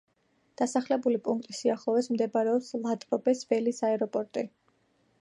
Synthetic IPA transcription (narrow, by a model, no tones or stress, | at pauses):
d̪̥asaχlɛbulipʼuŋk̚ʰt̪ʼisiaχlˠɔvɛsmd̪ɛbaɾɛɔpslˠat̪ʼɾɔbɛsvɛlisaɛɾɔpʼɔɾt̪ʼi